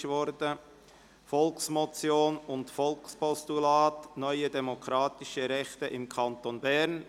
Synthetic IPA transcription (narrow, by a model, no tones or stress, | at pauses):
ʃʋɔɾdə | fɔlksmɔt͡sjoːnʊntfɔlkspʰɔst̪ulɑːt̪nœʏədɛmokʰɾɑːt̪iʃəɾɛχt̪əʔɪmkʰɑnt̪onbæɾn